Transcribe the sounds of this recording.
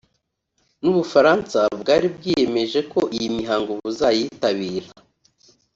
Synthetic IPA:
nuβufaɾaːnsabɡaːɾibɡije̞me̞ʒe̞ko̞ʔijimiɦaːŋɡoβuzajiːtaβiːɾa

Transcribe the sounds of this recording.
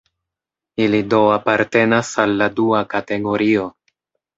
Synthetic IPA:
ilido̞apaɾte̞nasalːaduakate̞ɡo̞ɾio̞

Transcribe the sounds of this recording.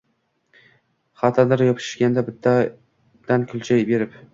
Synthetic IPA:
χɑt̪ʰad̪ɪɾjɒpʰɪ̥ʃʃkʲand̪abɪt̪ʰːa | d̪̥ankʲʰʊlˠt͡ʃʰajbe̞ɾɪp

